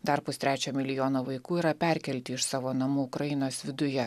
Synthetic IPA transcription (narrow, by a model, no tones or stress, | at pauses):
d̪ɐɾpʊst̪ɾʲæːt͡ʃʲoːmʲɪlʲɪjoːnoːʋɐɪkuːiːɾɐpʲæˑɾʲkʲɛlʲt̪ʲɪːɪʃsɑːʋoːnɐmuːʊkɾɐjɪnoːsʋʲɪd̪ʊjɛ